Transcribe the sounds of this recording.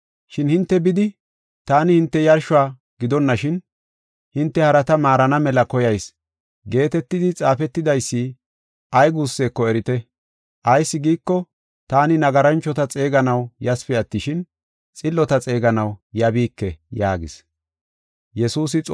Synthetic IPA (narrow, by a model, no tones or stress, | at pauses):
ʃɪnhɪnt̪ːɛbɪd̪ɪ | t̪aːnɪhɪnt̪ːɛjɐɾʃʊaː | ɡɪd̪ɔnːɐʃɪn | hɪnt̪ːɛhɐɾɐt̪ɐmaːɾɐnɐmɛlɐkɔjɐjs | ɡe̞ːt̪ɛt̪ːɪd̪ɪt͡sʼaːfɛt̪ːɪd̪ɐjsːiː | ʔɐjɡuːsːeːkːɔɛɾɪt̪ɛ | ʔɐjsːɪɡiːkːɔ | t̪aːnɪnɐɡɐɾɐnt͡ʃːɔt̪ɐt͡sʼeːɡɐnɐwjɐspɪɐt̪ːɪʃɪn | t͡sʼɪlːɔt̪ɐt͡sʼe̞ːɡɐnɐwjɐbiːkːɛjaːɡɪ̰s | jɛsuːs̬ɪt͡sʼ